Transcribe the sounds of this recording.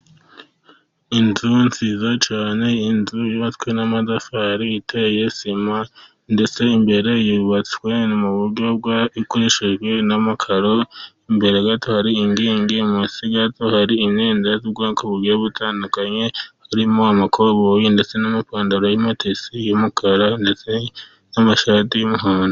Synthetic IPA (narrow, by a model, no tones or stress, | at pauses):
inzunt͡sizat͡ʃaːne̞inzujuβat͡skwenamadafaɾiitʰejesima | nde̞t͡se̞imbe̞ɾejuβat͡swenumuβuɾɟob̚ɡwaikuɾiʃiʒɡwe̞namakʰaɾo̞imbe̞ɾeɡatʰohaɾiːŋɡiːŋɡimusiɡatohaɾiineːndaziɡaŋkuβuɾɡeβutʰaːndukaɲe̞haɾimoamakʰoβojinde̞t͡se̞namipaːndaɾojimatʰesijomukʰaɾandet͡se̞ | namaʃaːtijomuɦaːndo